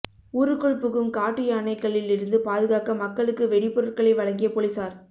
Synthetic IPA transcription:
uːɾɯkːɔɭpɯɣɯmkaːʈːɪjɐːɳɐɪkːɐɭːɪlɪɾɯnd̪ɯpaːðɯɣaːkɐmɐkːɐɭɯkːɯʋɛɽɪpːʊɾɐɾkɐɭɐɪʋɐɻɐŋɡɪjɐpɔlɪsaːɾ

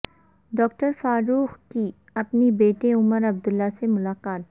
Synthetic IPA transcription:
ɖɔːk̚ʈəɾfaːɾuːxki | ɐpnibeːʈeʊməɾɐb̚d̪ʊlːasemʊlaːqaːt̪̚

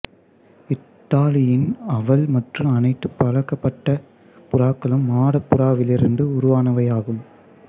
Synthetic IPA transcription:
ɪʈ̪ːaːlɪjɪnɐʋɐlmɐʈrɯmɐnɐɪt̪ːɯpːɐlɐkːɐpːɐʈːɐ | pʊɾaːkːɐɭɯmːaːɽɐpːʊɾaːʋɪlɪɾɯnɖɯʊɾʊʋaːnɐʋɐjaːɣɯm

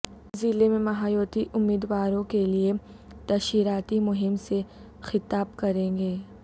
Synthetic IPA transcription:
zɪlemẽmɐɦaːjoːt̪iʔʊmːiːd̪waːɾõkelie | t̪ɐʃiːɾaːt̪imʊɦɪmse | xɪt̪aːb̚kɐɾẽːɡeː

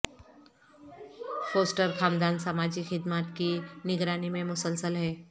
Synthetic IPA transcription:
foːsʈəɾkaːmd̪aːnsamaːd͡ʒixɪd̪maːt̪kinɪɡɾaːnimẽmʊsəlsəlɦɛː

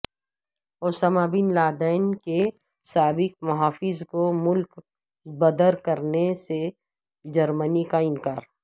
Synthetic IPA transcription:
oːsəmabɪnlaːd̪aɪnke | saːbɪk̚mɐɦaːfɪzkomʊlk | bɐd̪əɾkɐɾnese | d͡ʒɐɾmənikaɪnkaːɾ

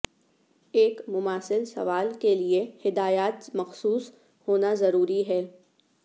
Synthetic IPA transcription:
eːkmʊmaːsɪlsɐ̰ʋaːlkeliehɪd̪aːjaːt̪mɐxsuːs | hoːnazɐɾuːɾiɦɛː

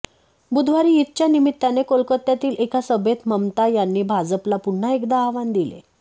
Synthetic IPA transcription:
bud̪ʱʋaɾiːit̪t͡ɕjanimit̪ːanekolkət̪ːjat̪iːlʔekasəbʱet̪məmt̪ajanːiːbʱad͡zəplapuɳɳaekd̪aːʋand̪ilḛ

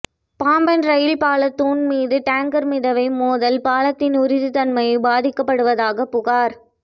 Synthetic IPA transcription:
paːmbɐnɾɐjɪlpaːlɐt̪ːuːnmiːðɯʈaːŋkɐɾmɪðɐʋɐɪmoːðɐlpaːlɐt̪ːɪnʊɾɪðɯt̪ɐnmɐjbaːðɪkːɐpːɐɽɯʋɐðaːɣɐpːʊɣaːɾ

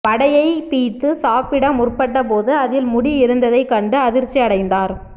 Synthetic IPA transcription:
pɐɽɐjɐɪpiːt̪ːɯsaːpɪɽɐmʊrpɐʈːɐpoːðɯɐðɪlmʊɽiɪɾɯnd̪ɐðɐɪkːɐɳɖɯɐðɪɾt͡ʃiɐɽɐɪnd̪aːɾ

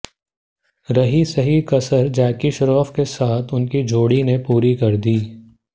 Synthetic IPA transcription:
ɾɐɦisɐɦikɐsəɾd͡ʒaːkiʃɾɔːfkesaːt̪ʰʊnkid͡ʒʱoːɽinepuːɾikɐɾd̪iː

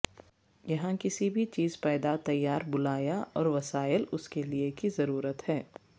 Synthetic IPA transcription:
jɐɦãkɪsibʱit͡ʃiːzpɛːd̪at̪ɐjːaːɾbʊlaːjaʔɔːɾʋɐsaːjɪəlʊskeliekizɐɾuːɾət̪hɛː

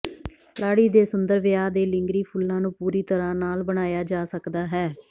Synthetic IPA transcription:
laːɽiːd̪eːsʊnd̪əɾʋɪjaːd̪eːlɪ̃ŋɡɾiːpʰʊlːãːnũːpuːɾiːt̪əɾãːnaːlbəɽ̃aːjaːd͡ʒaːsəkd̪aːɦɛː

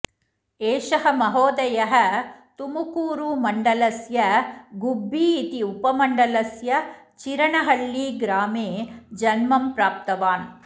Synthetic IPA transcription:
eːʂɐɦɐ̆mɐɦoːd̪ɐjɐɦɐ̆t̪umukuːɾuːmɐɳɖɐlɐsjɐɡubːiːt̪iupɐmɐɳɖɐlɐsjɐ | t͡ʃiɾɐɳɐɦɐɭːiːɡɾaːmeːd͡ʒɐnmɐmpɾaːp̚t̪ɐʋaːn

